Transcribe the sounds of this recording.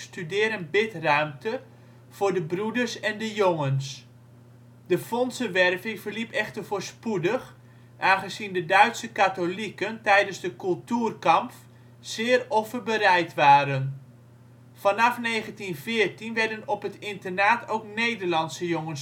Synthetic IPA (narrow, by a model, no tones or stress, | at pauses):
stydɪːɾənbɪtrœɥmtʰə | v̥ʊːɹdəbrudərsɛndəjoŋəns | dəfɔnsəʋɛrvɪŋvərlipɛχtərvoːɹspudəχ | ʔaːnχəzindədœɥtsəkatolikəntɛjdənzdəkɵlˠtyːrkɑmf | sɪːrɔfəbərɛjtʋaːɾən | fɑnɑfneːχəntinvɪːrtinʋɛɹdənɔpɦətɪntərnaːtʰowknejdərlɑnsəjoŋən